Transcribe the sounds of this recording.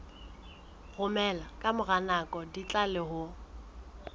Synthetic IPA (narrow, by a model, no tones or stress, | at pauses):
ɣʊmɛlakʼamʊɣanakʼɔdit͡ɬʼalɪɦʊ